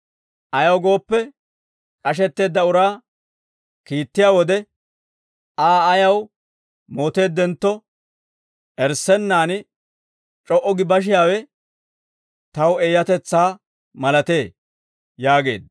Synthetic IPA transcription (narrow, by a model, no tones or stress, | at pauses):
ʔɐjɐwɡo̞ːpːɛ | kʼɐʃ̬ɛt̪ːe̞ːd̪ːɐʊɾaː | kiːt̪ːɪjaːwɔd̪ɛ | ʔaːɐjɐw | moːt̪e̞ːd̪ːɛnt̪ːɔ | ʔɛɾsɛnːaːnɪ | t͡ʃʼɔʔɔɡɪbɐʃ̬ɪjaːwɛ | t̪ɐweːjɐt̪ɛt͡sːaː | mɐlɐt̪e̞ː | jaːɡe̞̰ːd̪̚